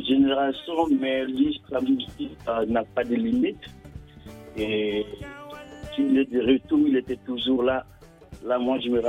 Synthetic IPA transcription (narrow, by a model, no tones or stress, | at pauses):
ʒeneʁasjɔ̃mɛlist̪samyzikanapad̪əlimit̪ | e | kilɛd̪əʁət̪uʁilet̪ɛt̪uʒuʁla | lamwãʒemeʁ